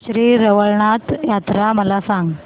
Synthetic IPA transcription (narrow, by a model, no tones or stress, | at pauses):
ɕɾiːɾəʋəɭɳat̪jat̪ɾaməlasãŋɡ